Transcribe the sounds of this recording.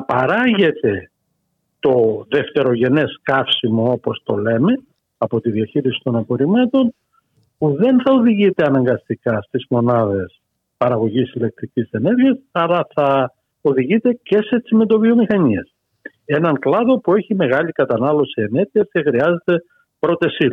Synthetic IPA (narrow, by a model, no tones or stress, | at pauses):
pɐɾɐʝe̞t̪e̞ | t̪o̞ðe̞ft̪e̞ɾo̞ʝe̞ne̞skɐfsimo̞o̞po̞st̪o̞le̞me̞ | ɐpo̞t̪iðiɐçiɾisi̥t̪o̞nɐpo̞ɾimɐt̪o̞n | puðe̞nθɐo̞ðiʝit̪e̞ɐnɐŋɡɐst̪ikɐst̪izmo̞nɐðe̞s | pɐɾɐɣo̞ʝisile̞k̚t̪ɾicise̞ne̞ɾʝiɐsɐlɐθɐ | oðiʝit̪e̞ce̞se̞t͡simet̪o̞vio̞mixɐɲiɐs | e̞nɐŋklɐðo̞pue̞çime̞ɣɐlikɐt̪ɐnɐlo̞sie̞ne̞ɾʝiescexɾiɐze̞t̪e̞ | pɾo̞t̪esi